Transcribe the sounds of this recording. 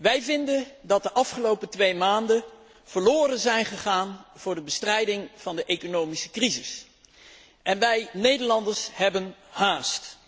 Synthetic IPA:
ʋɛjvɪndəndɑt̚dəʔɑfχəlowpətʋejmaːndə | v̥əɹlʊːrənzɛjnχəχaːnv̥ʊːɹdəbəstrɛjdɪŋv̥ɑndəʔejkonowmisə̥krizɪs | ʔɛnʋɛjnejdəɹlɑndəɹsɦɛbənhaːst

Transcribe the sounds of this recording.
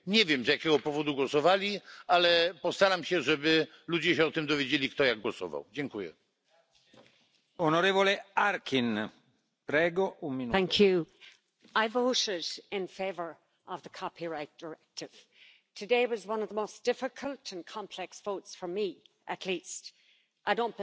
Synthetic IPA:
ɲɛvʲjɛmzjakʲɛɡɔpɔvɔd̪uɡwɔsɔvalʲialɛpɔst̪aɾamɕɛʐɛbɘ | lud͡ʑɛɕɛɔt̪ɨmd̪ɔvʲjed͡ʑelʲikt̪ɔjaɡ̚ɡwɔsɔ̰va̰wd͡ʑɛŋkujɛ̰ | onɔɾɛvoleaɾkʰin | pɾɛːɡɔʔumminθæ̃ŋkʰjʉ | aɪvoʊɾɪɾɪ̃nfeɪvə˞ | ʔəvðəkʰɑpʰiɹaɪt̚d̥ə˞ɛk̚tɪv̥ | tʰɨdeɪwɒzwʌ̃nʌvðəmoʊsd̥ɪfɪkʰəlˠtʰə̃nkʰɑ̃mpʰl̥ɛksv̥oʊtsfə˞mi | ʔətʰlist | ʔaɪdõʊ̃nb̥

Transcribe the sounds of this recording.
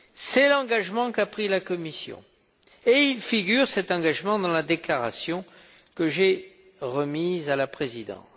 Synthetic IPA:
sɛlɑ̃ɡaʒmɑ̃kapχilakɔmisjɔ̰̃ | eilfiɡʲyʁsɛt̪ɑ̃ɡaʒmɑ̃d̪ɑ̃lad̪eklaʁasjɔ̃ | kəʒe | ʁəmizalapχezid̪ɑ̰̃s

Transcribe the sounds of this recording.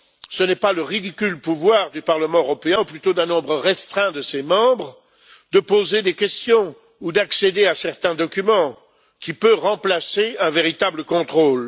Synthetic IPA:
sənɛpaləʁid̪ikʲylpuvwaʁd̪ypaʁləmɑ̃øʁɔpeɛ̃uplyt̪od̪ɛ̃nɔ̃bʁəʁɛst̪χɛ̃d̪əsemɑ̃bʁ | d̪əpozed̪ekʲɛst̪jɔ̃ | ud̪aksed̪easɛʁt̪ɛ̃d̪ɔkʲymɑ̃ | kʲipøʁɑ̃plaseɛ̃veʁit̪abləkɔ̃t̪χoːl

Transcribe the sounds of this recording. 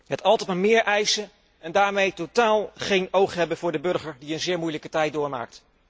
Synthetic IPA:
ɦətɑlˠtɛtmamɪːɹʔɛjsə | ɛndaːɹmejtotaːlˠχejnowχɦɛbəvʊːɹdəbɵɹχəɹdiənzɪːɹmujləkətɛjt̚dʊːɹma̰ːkt

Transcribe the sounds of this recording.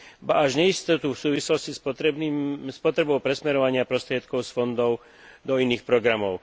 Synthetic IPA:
baaʒɲɛist̪ɔt̪ufsuːʋislɔscis | spɔt̪ɾɛbɔʊpɾɛsmɛɾɔʋaɲɪapɾɔst̪ɾɪɛt̪kɔʊsfɔnd̪ɔʊ | d̪ɔiniːxpɾɔɡɾamɔʊ

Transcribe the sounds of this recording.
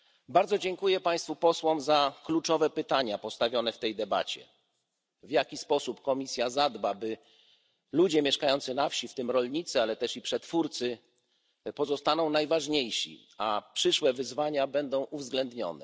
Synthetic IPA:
baɾd̪zɔd͡ʑɛŋkujɛpaj̃st̪fupɔswɔmzaklut͡ʂɔvɛpɘt̪aɲapɔst̪avʲjɔnɛft̪ɛjd̪ɛba̰t͡ɕɛ̰ | vjakʲispɔsupkɔmʲisʲjazad̪babɘ | lud͡ʑɛmʲjɛʂkajɔnt̪sɘnafɕift̪ɘmɾɔlɲit̪sɛalɛt̪ɛʂipʂɛt̪fuɾt̪sɘ | pɔzɔst̪anɔ̃w̃najvaʐɲejɕḭ | apʂɘʂwɛvɘzvaɲabɛnd̪ɔ̃w̃ʔuvzɡlɛnd̪ɲɔ̰nɛ

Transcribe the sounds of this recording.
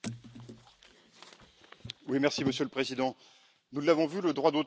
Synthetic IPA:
wimɛʁsiməsjøləpχezid̪ɑ̃ | nulːavɔ̃vyləd̪ʁwad̪o

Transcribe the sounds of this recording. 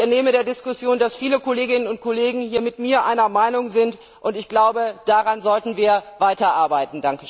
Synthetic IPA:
ʔɛɐneːməɾeːɐdɪskʊsjoːndasfiːləkɔleːɡɪnənʊnt̚kʰɔleːɡŋ̩hiːɐmɪtmiːɐʔaɪnɐmaɪnʊŋzɪnt | ʔʊntɪçɡ̥laʊbəd̥aʁanzɔltn̩viːɐvaɪtɐʔaɐbaɪtn̩daŋkə

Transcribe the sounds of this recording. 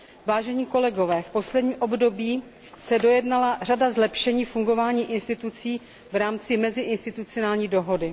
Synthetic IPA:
vaːʒɛɲiːko̞lɛɡo̞vɛːfpo̞slɛdɲiːmʔo̞bdo̞biː | sɛdo̞jɛdnalar̝adazlɛpʃɛɲiːfuŋɡo̞vaːɲiːʔɪnst̪ɪt̪ut͡siː | vɾaːmt͡sɪmɛzɪʔɪnst̪ɪt̪ut͡sɪonaːlɲiːdo̞ɦo̞dɪ

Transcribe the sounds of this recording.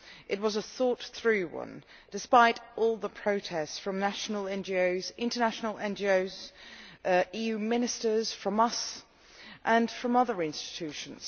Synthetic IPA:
ʔɪt̚wɒzəθɔˑt̪θɹʉwʌ̰̃n | d̥ɨspaɪɾʔɔlˠðəpʰɹ̥oʊtʰɛstsfɹə̃mnaʃnəlˠɛ̃nd͡ʒioʊzɪ̃ntənaʃnəlɛ̃nd͡ʒioʊz | iːjʉmɪ̃nɨstə˞z̥fɹʌ̃mʌs | ʔə̃nfɹʌ̃mʌðə˞ɪ̃nstɪ̥tʰʉˑʃə̃n̩z̥

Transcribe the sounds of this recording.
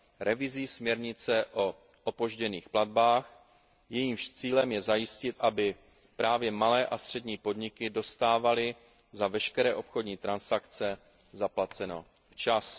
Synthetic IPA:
ɾɛvɪziːsmɲɛɾɲɪt͡sɛʔo̞ | ʔopo̞ʒɟɛniːxplad̪̚baːx | jɛjiːmʃt͡siːlɛmjɛzajɪscɪt̪ʔabɪ | pɾaːvjɛmalɛːʔast̪r̥ɛdɲiːpo̞dɲɪkɪdo̞st̪aːvalɪ | zavɛʃkɛɾɛːʔo̞pxo̞dɲiːt̪ɾansakt͡sɛ | zaplat͡sɛno̞̰ | ft͡ʃas

